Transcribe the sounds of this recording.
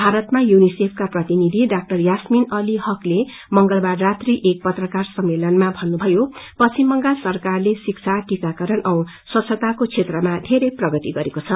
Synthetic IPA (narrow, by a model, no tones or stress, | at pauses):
bʱaɾʌt̪majunisepʰkaprʌt̪inid̪ʱiɖak̚ʈʌrjasminʌliɦʌkle | mʌŋɡʌlbarːat̪riʔek̚pʌt̪rʌkarsʌmːelʌnmabʱʌnːubʱʌjopʌsimbʌŋɡasʌrkarlesik̚t͡sʰaʈikakʌɾʌnʔʌw̃ | sʌt͡sʰʌt̪akot͡sʰet̪rʌmad̪ʱeɾeprʌɡʌt̪iɡʌɾekot͡sʰʌ